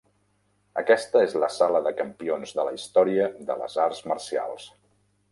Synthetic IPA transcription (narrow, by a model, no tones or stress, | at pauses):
ə̰kɛst̪əezləsaləðəkəmpionzðələist̪ɔɾiəðə̰lə̰zaɾzmərsia̰lˠs